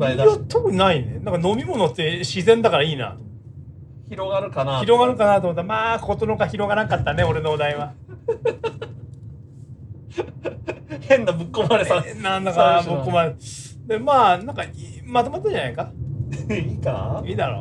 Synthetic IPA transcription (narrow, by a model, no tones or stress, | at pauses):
ɾt̪okɯ̟ɲnainḛnãŋkano̞mʲimo̞not̪ːe̞ɕizẽ̞nd̪akaɾaiːna̰t̪omo | çiɾoɡaɾɯ̟kanaiɾo̞ɡaɾɯ̟kanat̪omot̪ːaɾmaːkot̪onokaçiɾo̞ɡaɾãŋkat̪ːane̞o̞ɾe̞nood̪aiβa | hẽ̞nːabɯkːomaɾesãnːand̪akanamɯ̟kːomaɾed̪emaːnãŋkaimat̪omat̪ːãɲd͡ʑanaika | ikamʲit̪aɾo̰